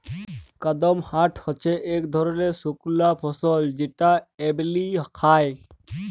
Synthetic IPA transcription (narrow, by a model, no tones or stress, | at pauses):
kad̪ɔmhaʈʰhɔt͡ʃʰeʔekd̪ʱɔɾɔnesukulapʰɔsɔld͡ʑeʈaeblikʰaj